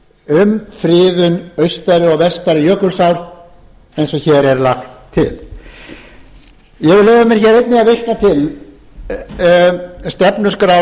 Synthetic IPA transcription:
ʏmfɾɪːðʏnœɥst̪aɾʏɔɣvɛst̪aɾɪjœːkʏlsawɾ | ejnsɔçɛːɾɛɾlaxt̪ʰːɪ̰l | jɛvɪɾlɛːvamɛɾçɛɾejt̪nɪaðvejht̪nat̪ʰɪl | st̪ɛpnʏskɾa

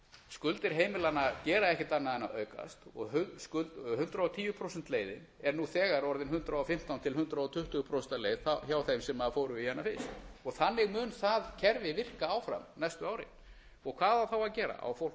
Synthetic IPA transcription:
skʏlt̪ɪɾ̥ɦeːjmɪlanːacɛːɾaɛhcɪt̪anːaðɛnaœːɥka̰st̪ɔɣɦʏskʏlt̪ɦʏnt̪ɾaɔt̪ʰiːjʏpʰɾowsɛnt̪lejðɪ̰n | ɛɾnuθɛːɣaɾɔɾðɪnɦʏnt̪ɾaɔfɪm̥t̪awnt̪ʰɪlɦʏnt̪ɾaɔt̪ʰʏht̪ʏɣpʰɾowsɛnt̪aɾlejðaçjaːwθejmsɛmaðfowɾʏijɛnːafɪst̪ɔɣθanːɪɣmʏːnθaðcʰɛɾvɪvɪr̥kaawfɾa̰mnɛjst̪ʏaːwɾɪ̰n | ɔɣkʰvaːðaθawaðcɛːɾa̰a̰wfowl

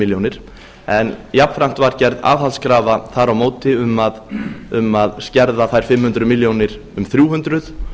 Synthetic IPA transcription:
ɪljownɪɾ̥ | ɛnjapnfɾan̥t̪vaɾ̥cɛɾða̰ːvhalskɾaːvaθaɾawmoːwt̪ɪʏmːaðʏmːaðscɛɾðaθajɾ̥fɪmhʏnt̪ɾʏmɪljownɪɾ̥ | ʏmθɾjuːɦʏnt̪ɾʏθ

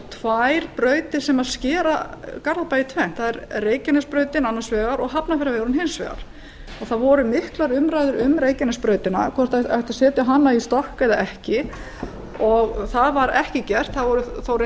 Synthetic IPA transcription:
t̪ʰvajɾ̥pɾœːɥt̪ɪ̥sɛmaðscɛːɾakaɾðapajɪt̪ʰvɛnt̪θaðɛɾreːjcanʏspɾœːɥt̪ɪnanːasvɛːɣaɾɔɣɦapnafɪɾavɛɣɾʏnɦɪnsvɛ̰ɣa̰ɾ̥ | ɔɣθaðvɔɾʏmɪhklaɾʏmɾajðʏɾʏmɾeːjcanʏspɾœːɥt̪ɪna̰kʰvɔr̥t̪t̪ḁsɛːt̪ʏɦanːaist̪ɔrkɛðaɛhcɪ | ɔɣθaðvaɾɛhcɪcɛr̥t̪θavɔɾʏθaɾ

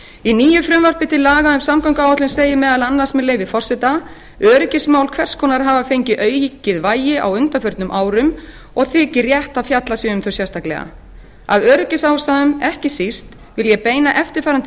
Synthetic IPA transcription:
iniːjʏfɾʏmvaɾ̥pɪt̪ʰɪlːaːɣaʏmsamkajŋkawat̪ɪnseːjɪmɛːðalanːḁsmɛðleːjvɪfɔr̥sɛt̪a | œːɾʏcɪsmaːwlkʰv̥ɛr̥skʰɔːnaɾɦaːvafejɲcɪʔœːɥjicːɪðvaːjɪʔa̰wʏnt̪afœɾt̪nʏmʔaːwɾʏm | ɔɣθɪːcɪrjɛht̪aðfjat̪lasjɛʏmθʏsjɛst̪ʰaklɛ̰ɣa̰ | a̰vœːɾʏcɪsaːwst̪aðʏmɛhcɪsist̪ | vɪljɛpeːjnaʔɛft̪ɪɾ̥faːjɾant̪

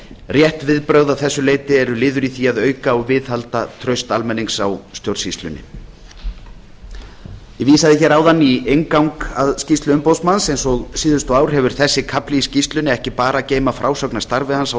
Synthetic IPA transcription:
rjɛht̪vɪðpɾœɣðawθɛsːʏleːjt̪ɪɛɾʏlɪːðʏɾiθiaðœːɥkaɔɣvɪːðhalt̪at̪ʰɾœɥst̪almɛnːiŋksawst̪joɾsist̪lʏ̰nɪ̰ | jɛviːsaðɪçɛːɾawðanːiejŋkawŋkaðscist̪lʏʏmpowsmansejnsɔɣsiːðʏst̪ɔaːwɾ̥ɦɛvʏɾ̥θɛsːɪkʰaplɪiscist̪lʏnɪɛhcɪpaːɾaceːjmafɾʔaːwsœknḁst̪aɾvɪhansa

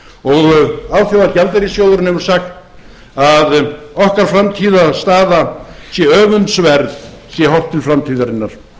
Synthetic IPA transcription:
ɔɣawθjawacalt̪ɛɾisjowðʏɾʏnɛvʏɾ̥saxt̪ | aðɔhkaɾ̥fɾamt̪ʰiːðast̪aːðasjɛœːvʏnt̪svɛɾðsjɛɦɔwht̪ɪlfɾamt̪ʰiːðaɾɪnːaɾ̥

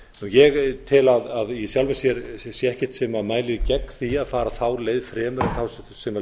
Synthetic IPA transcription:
nujɛɣt̪ʰɪlaðaðisjawlvmɛsjɛɾsjɛɛhcɛ̥t̪sɛmamaːjlɪðcɛkθiaðfaːɾaθawleːjðfɾɛːmʏɾɪθaws | sɛma

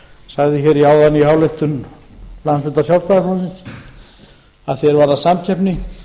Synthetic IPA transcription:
saːɣðɪçɛɾiaːwðaniɦaːwlejht̪ʏnlansvʏt̪asjawlst̪aɣakʰlɔsɪns | aðθjɛɾvaːɾasamcʰɛpnɪ

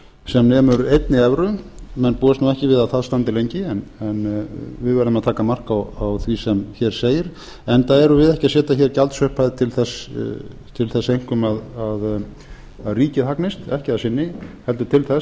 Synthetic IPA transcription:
sɛmnɛːmʏɾejt̪nɪɛvɾʏmɛnpuːðast̪nuɛhcɪvɪðaðθaðst̪ant̪ɪlejɲcɪɛnɛnvɪðvɛɾðɪmaðt̪ʰaːkamar̥kawawθvisɛmçɛɾ̥seːjɪɾ̥ | ɛnt̪aðɛɾʏvɪðɛhcɪaðsɛːt̪açɛɾcalt̪sœhpajðɪt̪ʰɪlθɛs | t̪ʰɪlθɛsːejŋ̥kʏmaðað | aðriːcɪhaknɪst̪ɛhcɪasɪnːɪhɛl̪t̪ʏɾt̪ʰɪlθɛs

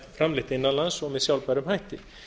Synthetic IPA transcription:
fɾamlɪht̪ɪɪnːalansɔɣmɛðsjawlpajɾʏmhajht̪ɪ

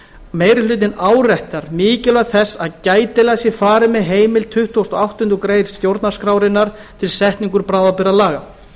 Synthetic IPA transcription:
meːjɾɪlʏːt̪ɪnaːwrɛht̪aɾ̥mɪːcɪlaɣθɛsːaðcaːjt̪ɪlajsɪfaːɾɪmɛðɦeːjmɪlt̪ʰʏht̪ʰuowst̪ɔawht̪ʏnt̪ʏkɾejɾst̪jowɾt̪naskɾaːwɾɪnːaɾ̥ | t̪ʰɪlsɛht̪niŋkʏɾpɾaːwðapɪɾalaːɣa

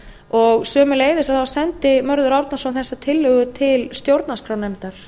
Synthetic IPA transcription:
ɔɣsœːmʏleːjðɪsaθawsɛnt̪ɪmœɾðʏɾawɾt̪nasawθɛsːat̪ʰɪlːʏɣʏt̪ʰɪlst̪jowɾt̪naskʰɾawnejmt̪aɾ̥

